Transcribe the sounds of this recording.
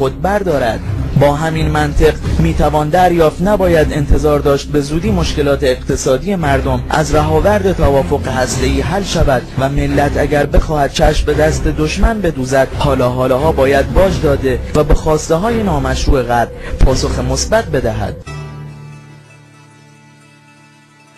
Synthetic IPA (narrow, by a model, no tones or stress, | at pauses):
od̪̚bæɾd̪ɒːɾæd̪̥bɒːɦæminmænt̪ʰe̞ɡmiːt̪ʰævɒːnd̪æɾjɒːft̪næbɒːjæd̪e̞nt̪ʰe̞zɒːɾd̪ɒːʃt̪̚be̞zuːd̪iːmo̞ʃke̞lɒːt̪ʰeːɣt̪ʰe̞sɒːd̪ije̞mæɾd̪o̞mʔæ̰zɾæɦɒːvæɾd̪e̞t̪ʰævɒːfo̞ɣehæst̪e̞iːɦælʃævæd̪̥væme̞lːæt̪ʰæɟæɾbexɒːhæd̪̥̚t͡ʃʰæʃmbe̞d̪æst̪e̞d̪oʃmænbe̞d̪uːzæd̪̥̚hɒːlɒːɦɒːlɒːɦɒːbɒːjæd̪̚bɒːd͡ʒd̪ɒːd̪e̞væbexɒːst̪eɦɒːjenɒːmæʃɾuːe̞ɣæɾpʰɒːso̞xemo̞sbæʁ̚be̞d̪æɦæ̰d̪̥